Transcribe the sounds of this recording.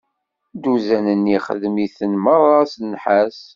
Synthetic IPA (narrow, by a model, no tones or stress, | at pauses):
d̪uzænənːiχəðmiθənməɾˤɑsənħæs